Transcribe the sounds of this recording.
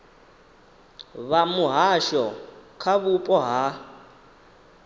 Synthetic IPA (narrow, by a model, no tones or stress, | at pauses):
βamuɦaʃɔkʰaβupʼɔɦa